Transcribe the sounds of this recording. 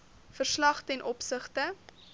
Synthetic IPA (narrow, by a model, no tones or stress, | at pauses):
fərslɐχtɛnʔɔpsəχtə